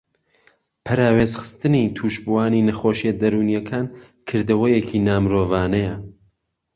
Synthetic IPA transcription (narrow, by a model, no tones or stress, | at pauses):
pʰɐɾaːweːzxɨ̥st̪ɨnit̪ʰuːʃbuwaːninɐxoːʃijɐd̪ɐɾuːnjɐkʰaːn | kʰɨɾd̪ɐwɐjekʰinaːmɨɾoːvaːnɐjɐ